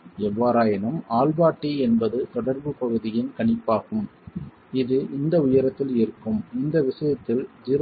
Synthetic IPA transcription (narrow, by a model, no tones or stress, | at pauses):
ɛʋaːɾaːjɐnɐmaːlbaːʈːiɛnbɐðɯt̪ɔɽɐɾbɯpɐɣɯðɪjɪnkɐɳɪpːaːɣɯm | ɪðɯʔɪnd̪ɐʊjɐɾɐt̪ːɪlɪɾɯkːɯmɪnd̪ɐʋɪʂɐjɐt̪ːɪld͡ʒɪɾ